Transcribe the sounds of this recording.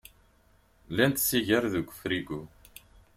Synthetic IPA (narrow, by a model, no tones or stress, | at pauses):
lænt̪siʝəɾðəɡʷʊfɾiɡu